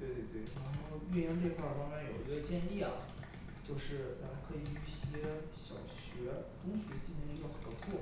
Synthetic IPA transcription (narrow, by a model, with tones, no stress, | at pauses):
t̪we˥˧ɪt̪we˥˩ɪt̪we˥˩ɪʈ͡ʂa˧˥ʂo˥˧y˥˧jɛ˥˧nljɛ˥˧xwa˥˩fɑ˥ŋmjɛ˧˥njo˨˩ʊi˧˥ɡə˧t͡ɕjɛ˥˧nli˥˩ɐ̰˩ | t͡ɕjo˥˧ʊʂɻ̩˥˩t̪ʰa˥˩˥kʰɤ˧˥i˨˩˥y˥˩ɕɛ˥ɛ˥ɕjɑ̰˨˩ʊɕɥɛ˧˥ʈ͡ʂʊ˥ŋɕɥɛ˧˥t͡ɕi˥˧ɕi˧˥nə˧˥ɡə˧˩xə˨˩nd̪ɔ˧˥t͡sʰwɔ˥˩